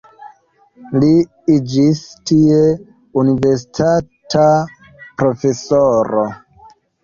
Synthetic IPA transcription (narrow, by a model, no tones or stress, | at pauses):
li | id͡ʒistie | unive̞ɾsi̥tʰata | pɾofe̞soɾo